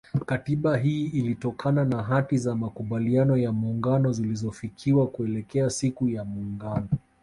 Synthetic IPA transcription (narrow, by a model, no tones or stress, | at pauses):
katiɓaɦiːilitɔkʰananaɦatizamakuɓalianɔjamuːŋɡanɔzilizɔfikʰiwakuɛlɛkɛasikujamuːŋɡanɔ